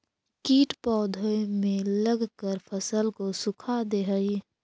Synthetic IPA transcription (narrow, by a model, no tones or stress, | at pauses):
kiːʈpɔːd̪ʱomẽləɡkəɾpʰəsəlkosʊkʰad̪eɦəi